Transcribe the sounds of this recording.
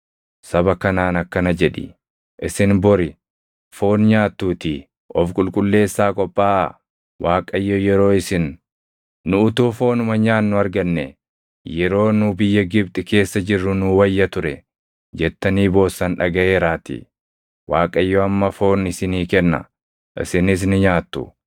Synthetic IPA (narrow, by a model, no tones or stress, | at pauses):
sɐbɐkɐnaːnɐkːɐnɐd͡ʒɛᶑɪ̰ | ʔɪsɪnbɔɾɪ | fo̞ːnɲaːt̪ːuːt̪i | ɔfkʼʊlkʼʊlːe̞ːsːaːkʼɔpʼːaːʔ | waːkʼɐjːɔjɛɾo̞ːɪsɪnː | ʊʊt̪uːfo̞ːnʊmɐɲaːnːʊɐɾɡɐnːɛ̰ | jɛɾo̞ːnʊbɪjːɐɡɪb̚t̪ʼɪke̞ːsːɐd͡ʒɪrːʊnʊwɐjːɐt̪ʊɾɛ | d͡ʒɛt̪ːɐniːbo̞ːsːɐnᶑɐɡɐeːɾaːt̪ḭ | waːkʼɐjːɔɐmːɐfo̞ːnɪsɪniːkɛnːɐ̰ | ʔɪ̰sɪnɪs̬nʊɲaːt̪ːʊ̰